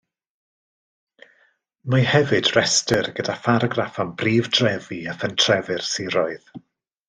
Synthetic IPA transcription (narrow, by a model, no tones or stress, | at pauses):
mahɛvɨdrɛstərɡ̥ədafaɾɔɡrafanbriːvdrɛviəfəntʰrɛvɨrsiɾɔɨð̥